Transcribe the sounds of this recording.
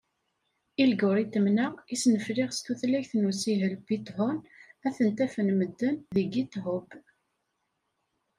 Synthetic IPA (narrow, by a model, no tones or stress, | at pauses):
ilɡʊɾit̪ːəmnaisnəflɪʁst̪uθlæçθnusiɦəlbit̪ˤhʊnæθənt̪æfənməd̪ːənðiɡit̪ɦʊb